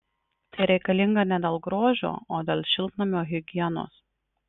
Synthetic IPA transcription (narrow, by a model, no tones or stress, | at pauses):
t̪ɐɪɾʲɛɪkɐlʲɪŋɡɐnʲɛd̪ʲɐlˠɡɾoːʒʲo̰ːoːd̪ʲeːlʲˠʃʲɪlʲˠt̪nɐmʲoːɣʲɪɡʲɪɛno̰ːs